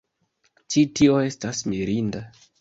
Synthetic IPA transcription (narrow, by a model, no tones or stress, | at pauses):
t͡ʃitio̞e̞stasmiɾinda